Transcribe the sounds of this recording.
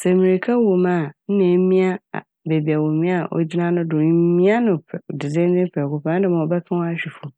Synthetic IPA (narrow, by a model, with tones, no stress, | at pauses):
sɛ˨mĩ˨ɾi˨kʰa˦wo˨mã˦˨n̩˦nẽ˨˦mĩ˦a̰˦˨ | be˨bi˨a˨wõ˨mĩ˦a˦˨ʔo̰˨d͡ʑi˦nã˦nʊ̃˦dʊ̃˨˦mĩ˦a˦nʊ̃˨pʰdɪ˨d͡zɪ̃˦n˦d͡zɪ̃˦m˦pʰɛ˨kʊ˨pʰã˨˦ñ˦dɪ˦˨mã˨ɔ˨bɛ˦kʰã˦wɔ˦a˦˨ɕᶣi˨fu˨